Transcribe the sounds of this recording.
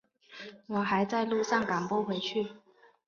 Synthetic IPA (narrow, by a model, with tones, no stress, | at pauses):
wɔ˨˩xa˨˧˥ɪt͡sa˥˧ɪlu˥˧ʂɑ˥˩ŋka˨˩ŋpɔ˥˩xwe˨˧˥ɪt͡ɕʰy˥˨